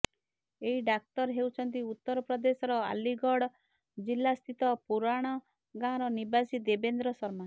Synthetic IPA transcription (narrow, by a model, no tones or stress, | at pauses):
eɦiɖak̚t̪ɔɾɦewt͡ʃʰɔnt̪iut̪ːɔɾɔpɾɔd̪esɔɾɔa̰liɡɔɽɔ | d͡ʒilːast̪ʰit̪ɔpuɾaɽ̃ɔ | ɡãɾɔnibasid̪ebend̪ɾɔsɔɾma